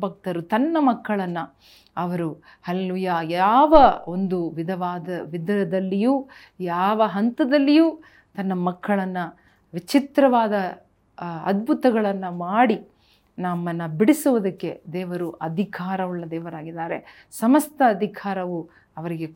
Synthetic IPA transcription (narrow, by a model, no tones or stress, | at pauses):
bɐk̚t̪ɐɾut̪ɐnːɐmɐkːɐɭɐnːɐ | ɐʋɐɾu | hɐlɐluːjaːjaːʋɐond̪uʋid̪ʱɐʋaːd̪ɐʋid̪ɐɾɐd̪ɐlːijuː | jaːʋɐɦɐnt̪ɐd̪ɐlːijuː | t̪ɐnːɐmɐkːɐɭɐnːɐ | ʋit͡ʃit̪ɾɐʋaːd̪ɐ | ɐd̪̚bʱut̪ɐɡɐɭɐnːɐmaːɽi | nɐmːɐnːɐbiɽisuʋɐd̪ɐkːe̞d̪ɛːʋɐɾuʔɐd̪ʱikʰaːɾɐʋuɭːɐd̪ɛːʋɐɾaːɡid̪aːɾe̞̰ | sɐmɐst̪ʰɐːd̪ʱikʰaːɾɐʋu | ɐʋɐɾiɡe